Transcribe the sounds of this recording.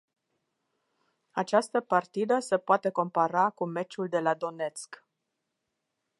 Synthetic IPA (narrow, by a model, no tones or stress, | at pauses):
at͡ʃast̪əpart̪id̪əse̞poat̪e̞ko̞mpaɾakume̞t͡ʃuld̪e̞lad̪o̞ne̞t̪sk